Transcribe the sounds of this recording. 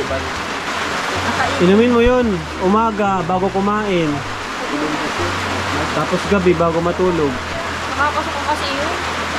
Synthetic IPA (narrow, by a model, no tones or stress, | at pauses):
ʔɪnʊmɪnmojon | ʔʊmaːɡɐbaːɡokʊmaːʔɪn | t̪aːposɡɐbɛbaːɡomɐt̪uːloɡ̚ | ɐkapɐsɐkʊmpɐsijo